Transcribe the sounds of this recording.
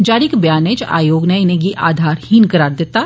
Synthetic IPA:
d͡ʒaːɾikbjaːnet͡ʃa̰ːjoːɡnaɪneɡiʔaːd̪ʱaːɾhinkɐɾaːɾd̪eːt̪a

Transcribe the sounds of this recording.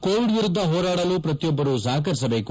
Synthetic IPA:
koːʋiɽʋiɾud̪ːɐɦɔːɾaːɽɐlupɾɐt̪ijɔbːɐɾuzaːkɐɾisɐbe̞ːku

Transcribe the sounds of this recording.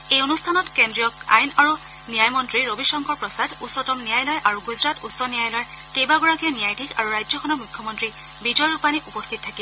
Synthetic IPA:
ejonustʰanɔtkendɹijɔka̰jnaɹu | nijajmɔntɹiɹobisɔŋkɔɹpɹɔsadusɔtɔmnijajlɔjʔaɹuɡuzɹatusːɔnijajlɔj | tebaɡɔɹakiɛnijajtikaɹuɹajd͡ʒzɔkʰxɔnɔmʊjkʰːjɔmɔntɹi | bid͡ʒɔjɹupaniʔupɔstʰit̚tʰːaki

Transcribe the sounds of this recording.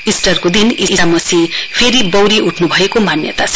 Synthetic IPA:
isʈʌrkod̪iniamʌsipʰeɾibʌwɾiʔuʈʰnubʱʌekomanjʌ̰t̪at͡sʰʌ̥

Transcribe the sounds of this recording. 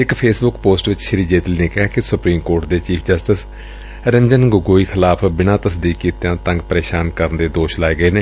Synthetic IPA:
ɪkpʰeːsbʊkpoːsʈʋɪt͡ʃʃəɾiːd͡ʒeːt̪liːneːkɛːkɪsʊpɾiːmkoːɾʈd̪eːt͡ʃiːpʰd͡ʒəsʈɪs | ɾɪmd͡ʒənɡʊɡoːiːkʰɪlaːpʰbɪnãːt̪əsd̪iːkːiːt̪jãːt̪ə̃ŋɡpəɾeːʃaːnkəɾnd̪eːd̪oːʃlaːeːɡəeːneː

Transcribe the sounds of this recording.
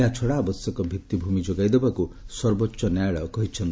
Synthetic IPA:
eɦat͡ʃʰɔɽaːbɔsjɔkɔbʱit̪ːibʱumid͡ʒoɡajd̪ebakusɔɾbɔtːʃɔnjajɭɔkɔɦit͡ʃʰɔnt̪

